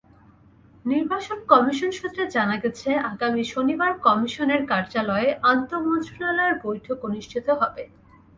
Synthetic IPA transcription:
niɾbaʃonkɔmiʃonʃut̪ːɾed͡ʑanaɡet͡ɕʰeaɡamiʃonibaɾkɔmiʃoneɾkaɾd͡ʑalɔeʔant̪omond͡ʑulalɔeɾbojʈʰokoniʃʈʰit̪oɦɔbe

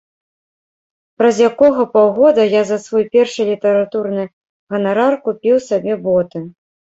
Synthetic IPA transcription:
pɾɐzʲjakɔɣɐpawɣɔd̪ɐjazɐsvɔjpʲɛrʂɨlʲit̪ɐɾat̪urnɨ | ɣɐnaɾarkupʲiwsabʲɛbɔt̪ɨ

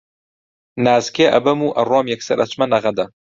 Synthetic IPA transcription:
naːzkeːʔɐ̰bɐmuːʔɐroːmjɛksɐ̰ɾʔɐ̰t͡ʃmɐnɐɣɐd̪ɐ

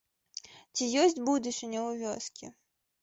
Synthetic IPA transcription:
t͡sʲijɔsʲtʲbud̪ʊsʲʊnʲɔʊʋʲɔskʲḭ

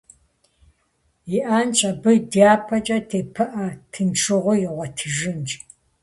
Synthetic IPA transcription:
jiʔaːnt͡ʃʼɐbɨdiaːpʰɐt͡ʃʼɐtʰeːpʰɨʔɐtʰɨnʈ͡ʂʰɨʁʷʊjɪʁʷɔtʰɨʒɨnt͡ʃʼ

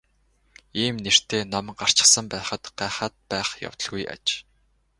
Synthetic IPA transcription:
iːmner̥t̪eːnɔmɢar̥t͡ɕɪ̆sə̆mpæːχə̆t̪ɢæːχaːt̪̚pæːχja̰w̥t̪ə̆ɮɣuja̰t͡ɕ

